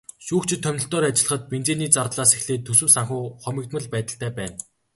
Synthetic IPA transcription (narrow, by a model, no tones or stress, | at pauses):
ʃuːxt͡ɕʰɪ̆t̪ʰːœmnɪ̆ɬt̪ɔːɾat͡ɕɪ̆ɮə̆χə̆t̪̚pent͡seːniːt͡sart̪ɮaːsexɮeːt̪ʰːɵsɵ̆msaŋxuːχɔmʲɪ̆k̚t̪mə̆ɮpæːt̪ə̆ɬt̪æːpæːn